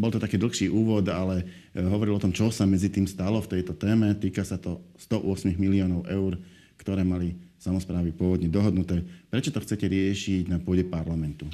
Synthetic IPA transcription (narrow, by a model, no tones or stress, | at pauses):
bɔlt̪ɔt̪akiːd̪l̩ˠxʃiːʔuːʋɔd̪alɛ | ɦɔʋɔɾilɔt̪ɔmt͡ʃɔsamɛd͡zit̪iːmst̪alɔft̪ɛjt̪ɔt̪ɛːmɛt̪iːkasat̪ɔst̪ɔʔʊɔsmiɣmiliɔːnɔʊʔɛʊɾ | kt̪ɔɾɛːmalisamɔspɾaːʋipʊɔʋɔd̪ɲɛd̪ɔɦɔd̪nut̪ɛːpɾɛt͡ʃɔt̪ɔxt͡sɛcɛɾɪɛʃiɟnapʊɔɟɛpaɾlamɛnt̪u